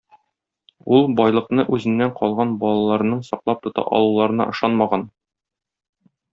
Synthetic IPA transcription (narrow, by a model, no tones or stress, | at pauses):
ulˠbɒjlˠɤ̆qnɤʔʉzɘ̆nːæɴqɒlˠʁɑnbɒlˠɑlˠɑɾɤ̆nɤɴsɒqlˠɑp̚t̪ŏt̪ɑ̰ʔɒ̰lˠulˠɑɾɤ̆nɑ̰ʔɤ̆ʃɑnmɑʁɑn